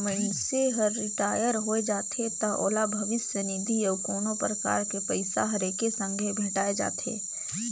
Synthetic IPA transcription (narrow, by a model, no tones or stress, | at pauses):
mẽʈseɦɐɾːɪʈaːjəɾɦoed͡ʒaːt̪ʰet̪ɐʔo̰ːlabʱɐʋɪsjənɪd̪ʱiəʋkoːnopɾəka̰ːɾkepəɪsaɦɐɾekesə̃ŋɡʱebʱẽʈaːed͡ʒa̰ːt̪ʰḛː